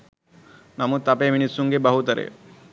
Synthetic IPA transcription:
namut̪apeʋiɳisuŋɡebɐɦut̪ɐɾḛ

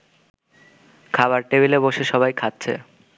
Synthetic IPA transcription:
kʰaβaɾʈebileboʃeʃɔbajkʰat̚ːɕʰḛ

